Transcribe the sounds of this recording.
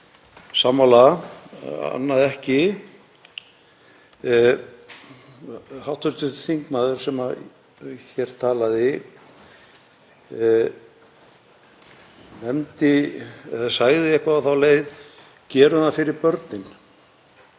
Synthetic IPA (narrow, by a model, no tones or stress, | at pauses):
saːmala | a̰nːaðɛhcɪ | hawht̪ʏɾt̪ʏt̪θiŋkmaːðʏɾ̥sɛma | çɛɾ̥t̪ʰaːlaðɪ | nɛmt̪ɪɛðasaɣðɪehkvaːðθawleːjð | cɛːɾʏafɪɾɪɾpœɾt̪nɪn